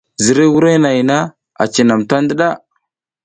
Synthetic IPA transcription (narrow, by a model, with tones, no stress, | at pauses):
zi˨ɾe˦wu˦ɾe˦na˨jna˦ | a̰˨t͡ʃi˨na˨mta˦ndə˦ɗa˦˨